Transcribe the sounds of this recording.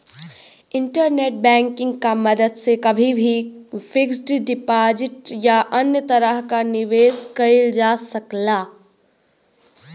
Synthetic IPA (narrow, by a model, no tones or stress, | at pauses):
ɪ̃ɳʈəɾneːʈ̚bɛ̃ːŋkɪ̃ŋɡkamɐd̪əd̪sekɐbʱibʱifʰɪksɖɖɪpaːd͡ʒɪʈjaʔɐnjət̪ɐɾəɦkanɪʋeːskɐɪld͡ʒaːsɐklaː